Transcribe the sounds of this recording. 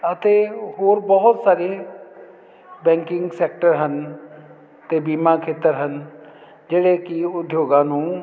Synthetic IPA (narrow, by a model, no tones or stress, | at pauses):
ɐt̪eɦoːɾbɐɦʊt̪saːɾe | bɛ̃ːŋkɪ̃ŋɡseːk̚ʈəɾɦən | t̪ebiːmakʰeːt̪əɾɦən | d͡ʒeːɽekiʊd̪ʱjoːɡãːnũː